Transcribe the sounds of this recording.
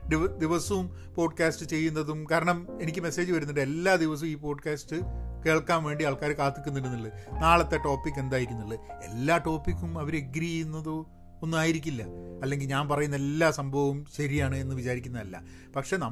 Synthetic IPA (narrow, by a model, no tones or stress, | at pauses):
d̪id̪iʋɐsɐm | po̞ːɖkaːsʈɨt͡ɕe̞jːunːɐðumkaːɾɐɳɐme̞nikʲːɨme̞se̞ːd͡ʑɨʋɐɾunːɐiʈːɨe̞lːaːd̪iʋɐs̬ɐumiːpo̞ːɖkʲaːsʈɨke̞ːɭkːaːnʋe̞ːɳɖiaːɭkaːɾɨkaːt̪ːikʲːunːiɾunːiɭːɨnaːɭɐt̪ːe̞ʈo̞ːpːik̬ːe̞nd̪aːjiɾikʲːunːiɭːɨe̞̰lːaːʈo̞ːpːikːumɐʋɐɾeɡɾijunːɐðo | onːumaːjiɾikʲːilːɐɐlːe̞ŋɡilɲaːnpɐrɐjunːɐelːaːsɐmbʱɐʋɐmɕɐɾijaːɳɨe̞nːɨʋit͡ɕaːɾikʲːunːɐðɐlːɐ̰ | pɐkʂe̞nɐ